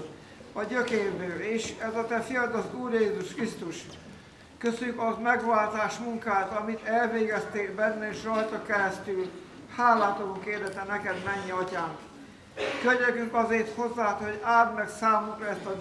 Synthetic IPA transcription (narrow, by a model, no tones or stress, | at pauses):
ɒøkeːrbøːeːʃɛzɒt̪ɛfijɒd̪ɒzuːrjeːzuʃkrist̪uʃ | køsøykɒmɛɡʋaːlt̪aːʃmuŋkaːt̪ɒmit̪ɛlveːɡɛst̪eːlbɛnːɛeːʃrɒjt̪ɒkɛɾɛst̪yl | haːlaːt̪oluŋkeːrd̪ɛt̪ɛnɛkɛd̪mɛɲːiɒcaːŋk | køɲɛkyŋkɒzeːrt̪ho̞zːaːt̪ho̞ɟaːd̪mɛksaːmukrɒɛst̪ɒ